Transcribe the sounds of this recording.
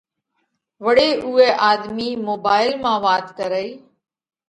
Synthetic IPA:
ʋəɽeːʔuːeːʔaːd̪miːmoːbaːɪlmãːʋaːt̪kəɾəiː

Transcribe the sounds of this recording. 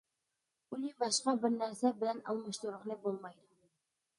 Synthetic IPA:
ulʲibɑʃqɑbɪɾnæɾsæbɪ̆lænɒ̰lˠmɤ̆ʃt̪uɾəqnɤbolˠmɑjd̪ʊ

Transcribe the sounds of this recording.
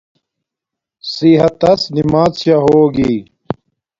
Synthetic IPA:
siɦɐt̪ɐsnimaːzɕaɦoːɡiː

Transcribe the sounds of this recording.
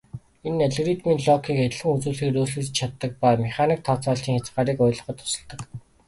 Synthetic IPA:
enːeɮɣrit̪miːnɮɔkʰiːket̪ʲɮɘ̆ŋut͡suːɮxiːkruːɮŭt͡ɕʰat̪ːə̆k̚paːmiχaːniːk̚t̪ʰɔt͡sɔːɬt͡ɕiːŋxat͡sɢaːɾiːkɔːɮɞ̆χɞ̆t̪ʰʊ̥sɞ̆ɮt̪ə̆k

